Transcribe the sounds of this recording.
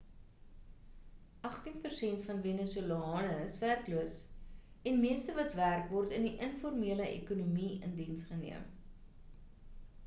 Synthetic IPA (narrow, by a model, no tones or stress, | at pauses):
ʔɐχtinpərsɛntfɐnvenəsuəlɑːnəəsværkluəs | ɛnmiəstəvɐtværkvɔrtəndiʔənfɔrmiələʔḛkunumiə̰ndinsχənḭəm